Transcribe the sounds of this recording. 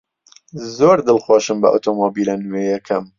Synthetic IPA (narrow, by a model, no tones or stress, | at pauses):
zoːɾd̪ɨlxoʃɨmbɐ̰ʔṵt̪ʰomobilanujejɛkʰɐm